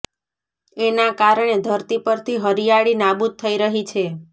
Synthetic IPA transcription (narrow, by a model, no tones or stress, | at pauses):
enakaɾəɳ̃ed̪ʱəɾt̪ipəɾt̪ʰiɦəɾijaɭinabud̪̚t̪ʰːəiɾəɦit͡ʃʰe